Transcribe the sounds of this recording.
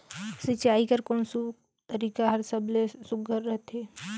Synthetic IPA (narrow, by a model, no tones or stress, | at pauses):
sɪt͡ʃaːikəɾkoːnsu | t̪əɾiːkaɦəɾsəblesʊk̚ɡəɾːəɦt̪ɦeː